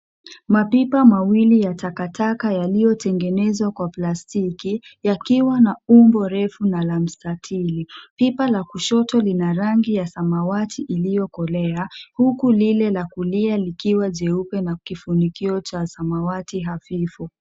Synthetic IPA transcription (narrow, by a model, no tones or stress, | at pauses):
mapipamawilijatakatʰakajalijɔtɛŋɡɛnɛzwakwaplastikijakiwanaumbɔɾɛfunalam̩statʰilipipalakuʃɔtɔlinaɾaŋɡijasamawatʰiʔilijɔkɔlɛahukulilɛlakulialikiwaʄɛupɛnakifunikiɔt͡ʃasamawatiɦafifu